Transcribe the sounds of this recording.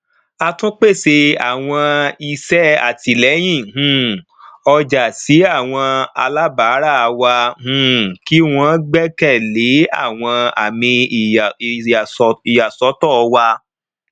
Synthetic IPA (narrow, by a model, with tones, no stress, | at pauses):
a˧tũ˦k͡pe˦˨se˧a̰˨w̃ɔ̃˧i˧sɛ˦a̰˨ti˧lɛ˨˦j̃ĩ˦˨ɦũ˦˨ | ɔ˧d͡ʒa˨si˨˦a˦˨w̃ɔ̃˧a̰˧la˦baː˨˦ɾa˦˨˧wa˧hũ˦˧˨ki˦w̃ɔ̃˦ɡ͡bɛ˦kɛ˦˨le˨˦a̰˦˨w̃ɔ̃˧a̰˨mĩ˧˨ | i˨ja˨sɔ˨˦tɔ˦˨˧wa˧